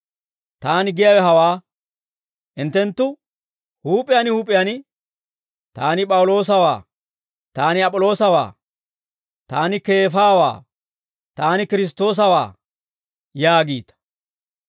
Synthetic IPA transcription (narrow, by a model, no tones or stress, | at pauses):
t̪aːnɪɡɪjɐwɛɦɐwaː | ʔɪnt̪ːɛnt̪ːʊ | huːpʼɪjɐnɪhuːpʼɪjɐnɪ | t̪aːnɪpʼɐwʊlo̞ːs̬ɐwa̰ː | t̪aːnɪɐpʼːɔlo̞ːsɐwa̰ː | t̪aːnɪke̞ːfaːwa̰ː | t̪aːnɪkɪɾɪs̬t̪o̞ːs̬ɐwa̰ː | jaːɡiːt̪ɐ̥